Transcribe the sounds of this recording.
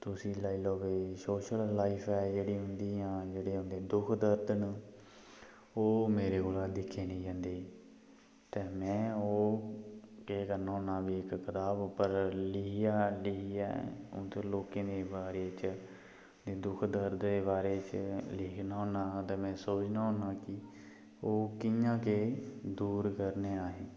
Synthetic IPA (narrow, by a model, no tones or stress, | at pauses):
t̪ʊsĩːlaːiːloːʋeːsoːʃəlːaːiːpʰɛːd͡ʒeːɽiːɦʊnd̪iːjãːd͡ʒeːɽeːɦʊ̃nd̪eːd̪ʊkʰd̪əɾd̪əɳ | oːmeːɾeːɡoːlãːd̪ɪkʰːeːnĩːd͡ʒãːnd̪eː | t̪eːmɛ̃ːoː | keːkəɾnaːɦõːnaːbiːɪkkət̪aːbpəɾlɪjaːlɪia̰õ̰ːt̪oːloːkẽːd̪eːbaːɾeːt͡ʃ | d̪eːd̪ʊkʰd̪əɾd̪eːbaːɾeːt͡ʃlɪːkʰnaːɦõːnaːt̪eːmɛ̃ːsoːt͡ʃnaːɦõːnãːkɪ | oːkɪjãːkeːd̪uːɾkəɾneːaːɦeː